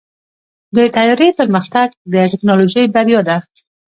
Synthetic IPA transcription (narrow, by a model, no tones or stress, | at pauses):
d̪ət̪ajɑɾepəɾməxt̪aɡ̚d̪əʈɪknɑloʒəjbaɾjod̪a